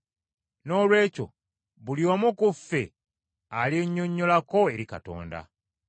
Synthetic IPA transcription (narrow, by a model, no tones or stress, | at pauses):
no̞ːlwe̞ːco̞̰ | βuliomukufːḛ | alieɲːo̞ɲːo̞lako̞e̞ɾika̰to̞̰ːnda̰